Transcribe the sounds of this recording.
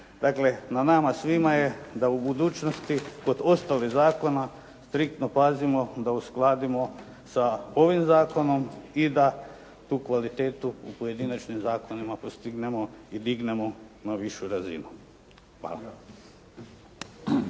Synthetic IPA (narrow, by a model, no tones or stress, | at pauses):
d̪akle̞nanamasʋimajed̪aubud̪uːt͡ʃnost̪iko̞d̪o̞st̪alizaːko̞na | st̪ɾik̚t̪no̞pazimo̞d̪ausklˠaːd̪imo̞ | sao̞ʋimzaːko̞no̞mid̪a | t̪uːkʋalit̪eːt̪uupoje̞d̪inat͡ʃnimzaːkonimapost̪iɡne̞mo̞id̪iɡne̞mo̞naʋiʃuɾazḭnu | ʋa̰ːla̰